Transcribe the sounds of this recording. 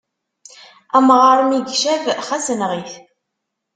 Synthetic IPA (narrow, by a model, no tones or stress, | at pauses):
æmʁəɾˤmiɡʃævχæsənʁiθ